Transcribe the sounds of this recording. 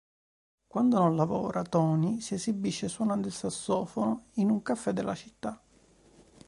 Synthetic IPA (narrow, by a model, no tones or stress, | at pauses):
kwand̪ononlavɔ̰ːɾʔat̪ɔːnisiezibːiʃːeswɔnand̪ɪlsasːɔːfonoinuŋkafːɛd̪ːelːat͡ʃit̪ːa